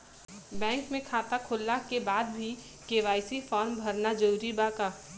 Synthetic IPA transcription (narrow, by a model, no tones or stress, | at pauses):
bɛ̃ːŋkmẽkʰaːt̪akʰʊlːakebaːd̪̚bʱi | keːʋaːɪsifʰɔːɾmbʱɐɾnad͡ʒəɾuːɾibaːka